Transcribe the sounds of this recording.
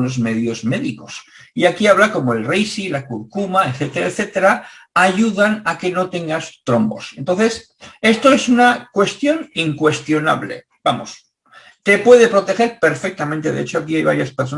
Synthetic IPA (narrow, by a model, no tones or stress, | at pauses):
nozme̞ðjo̞zme̞ðiko̞siakiaβlako̞moelrejsilakuɾkumaeθet̪eɾaeθet̪eɾa | aʝuðanake̞no̞t̪e̞ŋɡast̪ɾo̞mbo̞̰sent̪o̞nθe̞s | e̞st̪o̞e̞sunakwe̞st̪jo̞niŋkwe̞st̪jo̞na̰βlḛ | b̥amo̞s | t̪e̞pwe̞ð̞e̞pɾo̞t̪e̞xe̞ɾpe̞ɾfek̚t̪amẽnt̪e̞ðḛet͡ʃo̞akiajβa̰ɾjaspeɾs̬o